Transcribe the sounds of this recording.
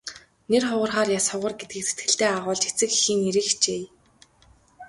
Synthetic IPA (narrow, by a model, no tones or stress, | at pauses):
nerχʊʁə̆rχaːrjasχʊʁə̆rɡet̪̚ɡɘ̆kset̪ɡɘ̆ɬt̪eːaʁʊːɮt͡ɕet͡sɘ̆xi̥xiːŋeɾɘ̆xt͡ɕeː